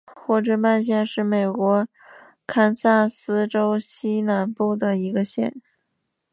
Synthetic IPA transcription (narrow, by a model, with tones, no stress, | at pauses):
xwɔ˥˩ʈ͡ʂɤ˥˩ma˥˧nɕ̬jɛ˥˧nʂɻ̩˥˩me˨˩ɪkwɔ˧˥ | kʰa˥nsa˥˩sɹ̩˥ʈ͡ʂo˥ʊɕi˥na˧˥npu˥˩d̪ə˩i˧˥ɡə˧ɕjɛ̰˥˩n